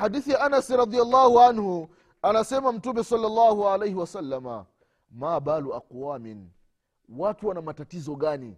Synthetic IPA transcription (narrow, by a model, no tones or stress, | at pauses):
ħadiθijaʔanasɾɑdialːaːhuʕanhu | anasɛmam̩tumɛsɑlːalːaːhuʕalejhiwasalːama̰ | maɓaluaquwaːmin | watuwanamatatizɔɠanḭ